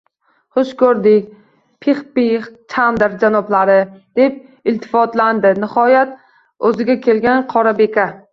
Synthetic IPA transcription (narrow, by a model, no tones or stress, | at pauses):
χʊʃkʰɵɾd̪ɪkʲ | pʰeχpiχt͡ʃʰand̪ɾd͡ʒanɒblaɾɪd̪̥e̞p̚ | ɪlt̪ʰɪ̥fɒt̪land̪ɪnɪhɒjat̪ | ɵzɪɡʲakʲʰe̞lɡʲanqʰɒɾabe̞kʲʰa